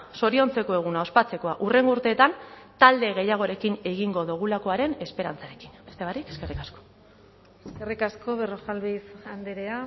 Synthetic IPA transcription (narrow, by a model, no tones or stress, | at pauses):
so̞ɾio̞nt͡se̞ko̞e̞ɣ̞unao̞spat͡se̞ko̞aʔure̞ŋɡouɾt̪e̞ːt̪ant̪ald̪e̞ɣ̞e̞jaɣ̞o̞ɾe̞kine̞ɣiŋɡo̞ðuɣ̞ulako̞aɾe̞ne̞spe̞ɾant͡saɾe̞ki̥nbe̞st̪e̞βaɾike̞ske̞rikasko̥ | eskerikasko̞βeroxalβisand̪eɾea